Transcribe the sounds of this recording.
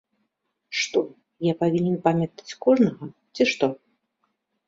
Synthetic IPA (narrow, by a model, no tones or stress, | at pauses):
ʂt̪ɔ | japavʲinʲɛnpamʲɐt̪ḁt͡sʲkɔʐnɐɣɐ | t͡sʲiʂt̪ɔ